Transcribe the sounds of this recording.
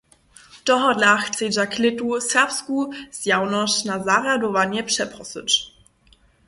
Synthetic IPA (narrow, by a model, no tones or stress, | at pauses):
d̥ɔɦɔdlaxt͡sed͡ʒaklɪtusɛʁpskuz̥jawnɔʃnazaʁadɔvanjɛpʂɛpʁɔsɪ̰t͡ʃ